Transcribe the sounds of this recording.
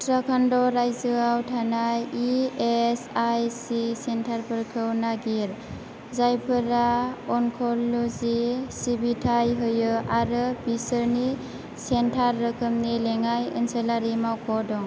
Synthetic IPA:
tɾakʰandɔɾajzɯawtʰanajiesajsisentʰaɾpʰɯɾkʰɯwnaɡiɾ | zajpʰɯɾaɔŋkʰolozisibitʰajɦɯjɯaɾɯbisəɾni | sentʰaɾːɯkʰɯmnileŋajɯ̰nsəlaɾimawkʰɔdɔŋ

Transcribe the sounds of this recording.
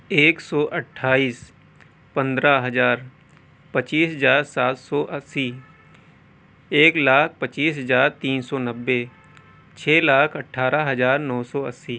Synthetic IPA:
eːksɔːʔɐʈʰːaːiːs | pɐ̃nd̪ɾaɦɐzaːɾ | pɐt͡ʃiːsɦəzaːɾsaːt̪sɔːʔɐsːi | eːklaːk̚ʰpət͡ʃiːs̬ɦɐzaːɾt̪iːnsɔnɐbːe | t͡ʃʰeːlaːkʰɐʈʰːaːɾaɦɐzaːɾnɔːsɔːɐsːiː

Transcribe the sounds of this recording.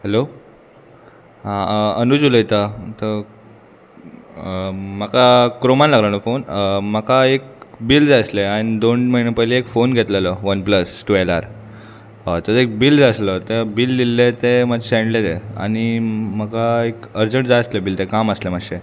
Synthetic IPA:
hɛlo | ɦãənud͡zuləit̪at̪ə | m̤əkakɾomanlaɡlənɔfonməkaek̚bild͡zaəsleañid̪onməɦinepəɦileːkfonɡʱet̪ləlɔʋənpləsʈuelaɾ | t̪əsek̚bild͡zəslət̪ebilːilːet̪emad͡ʑɕẽɳɖlet̪ea̰ɽ̃iməkaekəɾd͡zəɳʈd͡zaəslebilt̪ekaməslemakɕe

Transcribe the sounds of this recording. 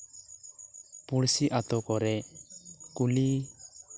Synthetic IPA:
puɽsiʔat̪ɔkɔɾɛ | kuli

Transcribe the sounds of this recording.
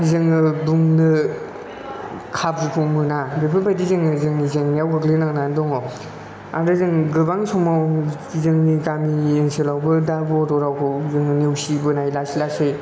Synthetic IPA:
zɯŋɯbuŋnɯ | kʰabɾupʰɔmɯnabepʰɯbadizɯŋɯzɯŋnizɯŋnjawɡɯklenaŋnandɔŋɔ | aɾɯzɯŋɡɯbaŋsɔmaw | izɯŋnikamiensʰelawbɯdabɔɾɔɾawkʰɯwzɯŋɯnewsibɯnajlasilasej

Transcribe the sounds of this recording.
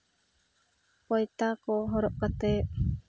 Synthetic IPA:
kojt̪akoɦoɾoʔkat̪e

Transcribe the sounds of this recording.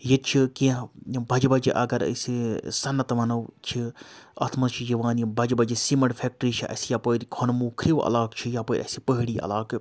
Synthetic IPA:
jet͡ʃʰikẽbʱɐd͡ʒbɐd͡ʒḭʔɐ̰ɡɐɾɐ̰sisɐnːɐt̪ʋɐnɐwt͡ʃʰiɐ̰t̪ʰmɐt͡ʃʰid͡ʒiʋaːnbʱɐd͡ʒbɐd͡ʒisimɐɽfʰʲeːk̚ʈəɾit͡ʃʰiʔɐ̰sijapoɾkʰonmuːkʰɾiʋɐ̰laːkt͡ʃʰijapoːɾʲʔɐ̰sipəɦiɽiːɐ̰laːk

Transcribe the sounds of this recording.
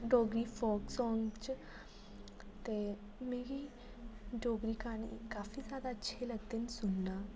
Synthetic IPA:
ɖoɡɾifɔksɔ̃ŋɡt͡ʃ | t̪e | meɡi | ɖoɡɾikañḭkafiːd͡zjad̪aətːɕʰeləɡt̪ensunːa

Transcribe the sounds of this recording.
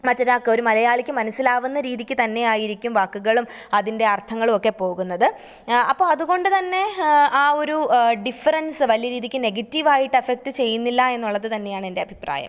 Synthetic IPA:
mɐt͡ɕːɐɾaːkːeo̞ɾumɐlɐjaːɭikʲːɨmɐnɐsːilaːʋunːɐɾiːðikʲːɨt̪ɐnːe̞jaːjiɾikʲːumʋaːkːuɣɐɭum | ɐðinde̞ɐrt̪ʰɐŋːɐɭumo̞kːe̞po̞ːɣunːɐðɨ | ɐpːoːɭɐðuɣo̞ɳɖɨt̪ɐnːe̞aːo̞ɾuɖifːɐɾɐnsɨʋɐljɐɾiːðikʲːɨne̞ɡɐtːiʋaːjiʈːɨefek̚ʈɨt͡ɕe̞jːunːilːɐe̞nːuɭːɐðɨt̪ɐnːe̞jaːɳe̞nde̞ɐbʱipra̰ːjɐ̰m

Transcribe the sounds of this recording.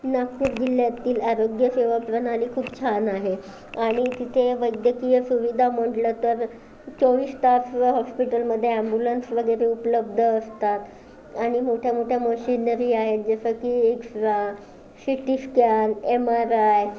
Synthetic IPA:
nakːuːɾɡiljat̪iːlaɾoɡjəseʋapɾənaliːkʰuːpt͡ɕʰanaɦe | aɽ̃it̪it̪ʰeʋəjd̪jəkijesuʋid̪ʱam̤əʈlət̪əɾ | t͡soʋiːst̪afɦɔspiʈəlməd̪ʱːjeæmbulənsʋəɡəjɾeupləb̚d̪ʱəːst̪at̪ | aɽ̃imoʈʰjamoʈʰjaməɕinəɾiːaɦet̪̚d͡zəsəkieksɾa | siʈiskanemaɾaj

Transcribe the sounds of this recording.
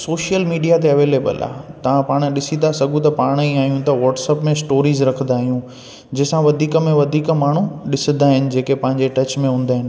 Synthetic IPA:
soːʃijəlmiːɖijat̪eɐʋeːleːbə̰la̰ːt̪ɐʋ̤ãpaːɽ̃ɗɪsĩnd̪asɐɡũt̪ɐpaːɽ̃iaːɦijũt̪ɐʋɔːʈsəpmẽsʈoːɾiːzɾɐkʰə̃nd̪aːɦijũ | d͡ʑɐɦɪsãʋɐd̪ʱiːkəmẽʋɐd̪ʱiːkmaːɳ̤ũɗɪsə̃nd̪aːɦɪnɪ̆d͡ʑeːkepɐ̃ɦɪ̃ɲd͡ʑeʈɐt͡ɕmẽɦũːn̆d̪aːɦɪnɪ̆

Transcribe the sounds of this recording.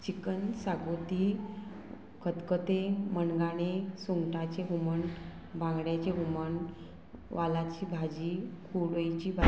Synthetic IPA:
t͡ɕikənsaɡot̪i | kʰət̪kət̪emənɡaɽ̃esuŋɡʈat͡ɕeɦuməɳ | bãŋɡɽjat͡ɕeɦuməɳ | ʋalat͡ɕiːbʱad͡ʑiːkʰuɽojt͡ɕiːbʱa

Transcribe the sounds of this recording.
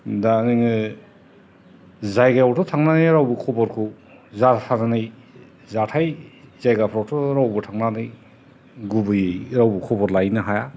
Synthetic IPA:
danɯŋɯ | zajɡajawtʰɔtʰaŋnanɯjɾawbukʰɔbɔɾkʰu | zatʰananɯj | zatʰajzajɡapʰɾawtʰɔɾawbɯtʰaŋnanɯj | ɡubɯjɯɾawbukʰɔbɔɾlajnɯɦaja

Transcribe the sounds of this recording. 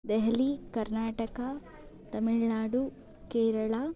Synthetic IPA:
d̪ɛɦɐlikɐɾnaːʈɐkɐ | t̪ɐmiɭnaːɽu | keːɾɐɭa

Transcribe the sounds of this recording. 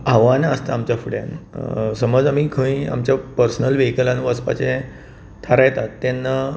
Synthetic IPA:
aʋanaəst̪aːmt͡ɕjafuɽja̰nsəməd͡zamikʰə̃ĩa̰mt͡ɕjapəɾsnəlʋekəlanuʋəspa̰t͡ɕẽ | t̪ʰaɾajt̪at̪ːenːa

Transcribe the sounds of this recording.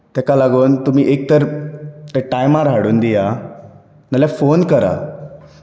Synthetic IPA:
t̪ɛkalaɡuːnt̪um̤iːʔek̚t̪əɾt̪ɛʈajmaɾɦaɽuːnd̪ija | naljafonkəɾa̰

